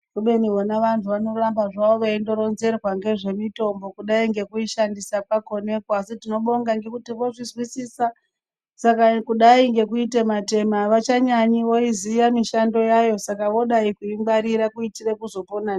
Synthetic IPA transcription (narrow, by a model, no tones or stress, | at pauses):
ruɓeniɦonaʋantʰuʋano̞rambaʐaʋoʋaendo̞ɾo̞nze̞rwaŋɡe̞ʐe̞mito̞mbo̞kuɗaiŋɡe̞kuiʃandisapako̞ne̞kwasitino̞ɓo̞ŋɡaŋɡe̞kutiʋo̞ʐizwisiːsa | sakakuɗaiŋɡe̞kuitemate̞maʋat͡ʃaɲaɲiʋo̞izijamiʃando̞jajo̞sakaʋo̞ɗaikuimbaɾiɾakuitirekuzo̞ponan